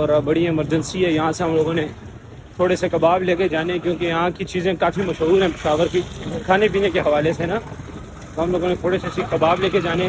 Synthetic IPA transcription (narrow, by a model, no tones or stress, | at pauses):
ɔːɾbɐɽĩɪməɾd͡ʒə̃nsiɦɛjɐɦãseɦɐmloːɡõne | t̪ʰoːɽesekɐbaːbleːked͡ʒaːnekjõːkejɐɦãkit͡ʃiːzẽkaːfimɐʃɦuːɾɦɛ̃pɪʃaːʋəɾkikʰaːnep̬iːnekeɦɐʋaːlesena | t̪oɦɐmloːɡõnet̪ʰoːɽesesikɐbaːbleːked͡ʒaːne